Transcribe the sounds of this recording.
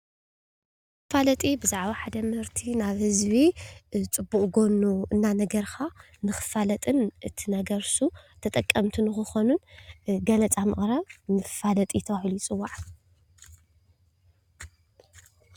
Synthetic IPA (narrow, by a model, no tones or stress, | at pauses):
falɐt̪ʼibɨzaʕβaħad̪ɐmɨhɨɾt̪ʰinaβhɨzβit͡sʼɨbːuχʼɡo̞nuɨnːanɐɡɐɾxa | nɨxɨ̥falɐt̪ʼɨnʔɨt̪ʰinɐɡɐɾsut̪ʰɐt̪ʼɐkʼːɐmt̪ʰunɨxɨxo̞nunɡɐlɐt͡sʼamɨ̰χʼɾɐβmɨfalɐt̪ʼit̪ʰɐβahilujɪt͡sʼɨwːaʕ